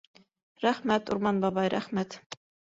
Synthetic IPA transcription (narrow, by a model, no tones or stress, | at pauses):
ɾæχmæt̪uɾmɑnbɑbɑjɾæ̰χmæt̪